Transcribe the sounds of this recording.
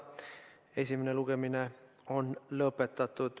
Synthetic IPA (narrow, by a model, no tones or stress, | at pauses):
e̞sʲimene̞luɡe̞mine̞ | o̞nlɤpːˑe̞t̪ːˑɑt̪ˑːud̪̥